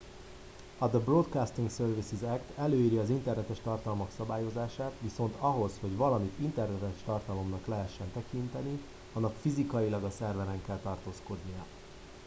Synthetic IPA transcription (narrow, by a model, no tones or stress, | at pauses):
ɒd̪əbrot̪kaːst̪iŋksørvisizɛkt̪ɛløːiːɾiɒzint̪ɛrnɛt̪ɛʃt̪ɒrt̪ɒlmɒksɒbaːjo̞zaːʃaːt̪ʋiso̞n̪t̪ʰɒɦo̞sho̞ɟʋɒlɒmit̪int̪ɛrnɛt̪ɛʃt̪ɒrt̪ɒlo̞mnɒklɛɦɛʃːɛnt̪ɛkint̪ɛni | ɒnːɒkfizikɒjilɒɡɒsɛrvɛlɛŋkɛlt̪ɒrt̪oːsko̞d̪nijɒ